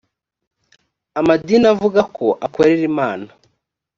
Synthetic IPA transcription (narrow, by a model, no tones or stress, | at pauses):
amadiːnavuɡakʰo̞ʔakoɾeɾimaːna